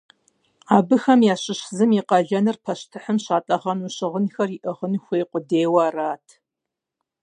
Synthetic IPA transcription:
aːbɨxɐmjaːɕɪɕzɨmiqɐɮɐnɨrpʰɐʃtʰɨħəmɕaːtʼɐʁɐnuːɕɪʁənxɐrɪʔɐʁənxʷeːqʷʊdeːwɐːraːtʰ

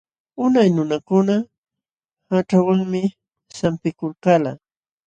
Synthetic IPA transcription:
ʊnajnʊnakʊna | haʈ͡ʂawaŋmɪ | sampɪkʊlkala

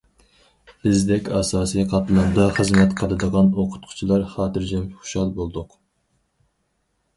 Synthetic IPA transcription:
bɪzd̪ɛkʲɑːsɑːsijqʰɑt̪lˠɨnd̪ɑχəzmɛt̪qʰəlˠɨd̪əʁɑnoqʰʊ̥t̪̚qʰʊ̥t͡ʃʰilˠɑɾχɑːt̪ɨɾd͡ʒɛmχu̥ʃɑlˠbolˠd̪ʊq

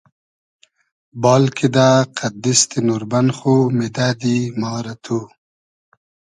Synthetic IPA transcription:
bɑːlkid̪aqʰad̪ɪst̪inuɾbanχomed̪ad̪imaɾat̪ʰu

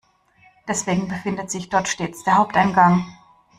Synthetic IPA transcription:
d̥ɛsv̥eːɡŋ̩bəfɪndətz̥ɪçd̥ɔɐtʃteːt͡sd̥eːɐhaʊp̚taɪnɡaŋ

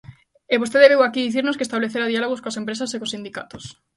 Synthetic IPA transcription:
eβost̪eðeβewakiðiθiɾnoskest̪aβleθeɾaðialoɣ̞oskoasempɾes̬asekosind̪ika̰t̪os

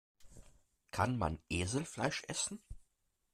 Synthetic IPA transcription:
kʰanma̰nʔeːzl̩flaɪʃʔɛsn̩

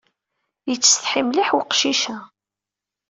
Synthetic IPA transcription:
jət͡sːəsθħimliħwqʃiʃæ

